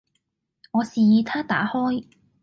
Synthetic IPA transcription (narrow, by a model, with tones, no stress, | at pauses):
ŋɔː˨˧siː˨jiː˨˧t̪ʰaː˥t̪a̰ː˨˥hɔː˥j